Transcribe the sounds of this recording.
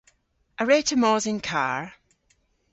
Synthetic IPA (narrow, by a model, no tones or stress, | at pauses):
ʔəɹɛtʰəmɔzɪ̃nkʰa̰ɹ